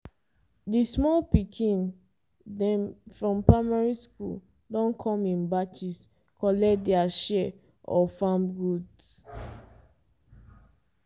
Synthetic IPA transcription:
dismɔlpikʰĩn | dɛ̃mfɹɔ̃mpɹamaɹiskṵl | dɔ̃nkʰɔ̃mĩnbat͡ʃis | kɔlɛdɛaʃɛ | ɔfãmɡuds

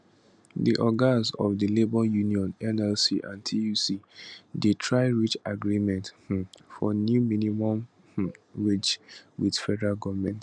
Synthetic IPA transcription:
dḭʔɔɡazɔ̰vdilebɔjuniɔ̃nɛnɛlsiʔã̰ntʰijusidetʰɹaɪɹit͡ʃaɡɹimɛ̃ntfɔ̰njuminimɔ̃m | ɹed͡ʒwidfɛdɛɹaɡɔvmɛ̃nt

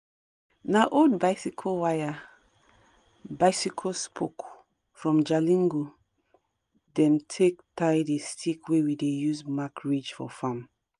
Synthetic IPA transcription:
naʔodbaɪsikʰowaja | baɪsikʰospʰok | fɹɔ̃md͡ʒalĩŋɡo | dɛ̃ntʰektʰajdestʰikwewidejuzmakɹid͡ʒfɔ̰fãm

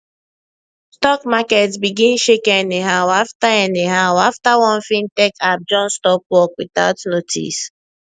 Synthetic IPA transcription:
stɔkmaketbiɡin̩ʃekɛneɦawaftaɛneɦawaftawɔ̃n̩fin̩tekap̚d͡ʒɔn̩stɔpwɔkwita̰tnotʰḭs

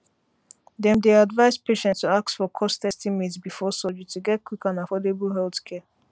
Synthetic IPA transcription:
dɛ̃mdeadvaɪspeʃɛ̃ntstuaktsfɔkʰɔstɛstimetsbifɔsɔd͡ʒətʰuɡɛt̚kwikãnafɔdebəl̩ɦɛlθkʰɛ

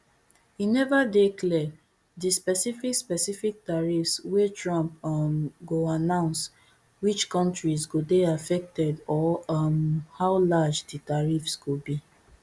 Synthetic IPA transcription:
inɛvadeklɛ | dispɛsifikspɛsifik̚taɹifswetɹɔ̃mpmɡoanãʊ̃ns | wit͡ʃkɔ̃ntɹizɡodeafɛk̚tɛdɔmhaʊlad͡ʒditaɹifsɡobi

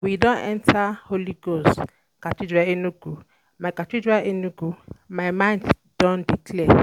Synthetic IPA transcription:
widõnɛ̰ntʰaholiɡos | kat͡ʃid͡ʒaenuɡu | maɪkat͡ʃid͡ʒaʔenuɡumaɪmãnd | dõndiklɛ

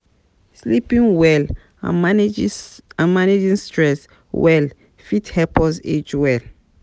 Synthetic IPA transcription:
slipĩŋwɛl | ã̰a | ãmaned͡ʒĩŋstɹɛs | wɛl | fithɛpɔsed͡ʒwɛl

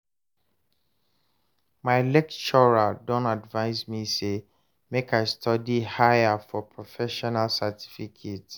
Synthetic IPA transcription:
maɪlɛkt͡ʃɔɹadɔ̃ntadvãɪsmise | mekaɪstʰɔdihaɪafɔpʰɹofɛʃɔnalsatʰi̥fikʰet

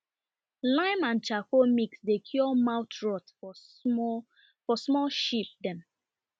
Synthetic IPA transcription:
lãɪ̃mãnt͡ʃakomiksdekʰjɔmaʊtɹɔt | fɔsmɔlʃipdɛ̃m

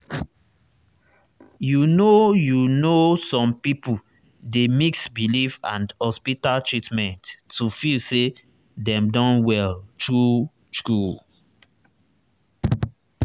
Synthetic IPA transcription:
junojunosɔ̃mpipu | demiksbilifã̰ndhɔspitaltɹitmɛ̃ntːufilse | dɛ̃mdɔ̃nwɛltɹu | tɹu

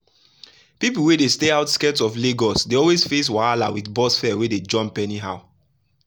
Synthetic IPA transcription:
pip̬l̩wedesteaʊtskɛtsɔfleɡɔsdeɔlwesfes̬waala̰witbɔsfɛweded͡ʒɔ̃mpɛniɦaʊ

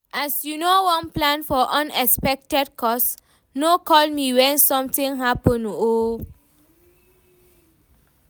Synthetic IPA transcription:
asjunowɔ̃nplãnfɔʔɔ̃nɛkspɛk̚tɛd̚kʰɔs | nokɔlmiwɛ̃nsɔ̃mtĩŋɦapə̃no

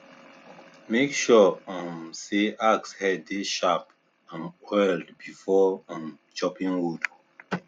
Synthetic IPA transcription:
mekʃɔãmseakshɛdːeʃap | ãnwɛldbifɔãm | t͡ʃɔpĩŋɹud

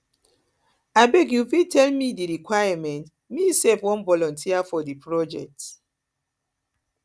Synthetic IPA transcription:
aɪbɛɡjufitʰɛlmidiɹikwajamɛ̃nt | misɛfwɔ̃nvɔlɔ̃ntʰiafɔdipʰɹɔd͡ʒɛ̰k̚t

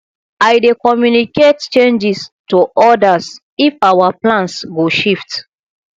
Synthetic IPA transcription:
ajdekɔmjunikett͡ʃẽnd͡ʒistuʔɔdas | ifawaplãnsɡoʃift

